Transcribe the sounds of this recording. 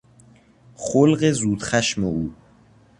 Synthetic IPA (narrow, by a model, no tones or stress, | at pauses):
χolɢezuːd̪̥xæʃmeuː